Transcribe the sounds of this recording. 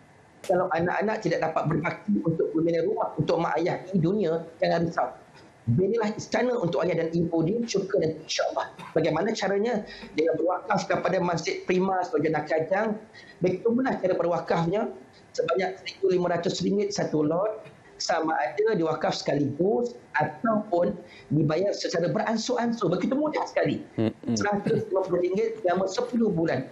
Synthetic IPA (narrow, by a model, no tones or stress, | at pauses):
kalawʔana̰ʔa̰naʔt̪idak̚dapat̪̚bərbak̚t̪iunt̪ʊk̚məminaɾumahunt̪ʊʔ̚mə̃ŋʔa̰jahnidunĩad͡ʒaŋaɾisa | bənilahist̪anəunt̪ʊʔajahdanipudit͡ʃuɡənant̪uinʃaʔəlːɑhbaɡajmanãt͡ʃaɾaɲãd͡ʒəŋanbərwakafkəpadamas̬d͡ʒɪt̪̚pɾimãstod͡ʒanakad͡ʒaŋ | bəɡit̪umulaht͡ʃaɾəbərwakafɲa | səbaɲak̚səɾikulimãɾat̪ʊsɾiŋɡɪt̪̚sat̪ulɔt̪̚ | samaʔadadiwakafsə̥kalibʊsat̪awpʊn | dibajarsət͡ʃaɾabəɾʔansuʔansʊbəkit̪umudahsə̥kalisəɾat̪ʊslimãpulʊhɾiŋɡɪt̪̚lamãsəpulʊhbulan